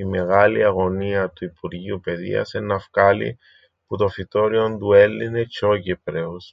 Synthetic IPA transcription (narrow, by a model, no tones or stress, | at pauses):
ime̞ɣɐliɐɣo̞niɐt̪uipuɾʝiupe̞ðḭɐ̰senːɐfkɐlḭ | put̪o̞fit̪o̞ɾio̞nd̪ue̞lːine̞cʰocepɾeos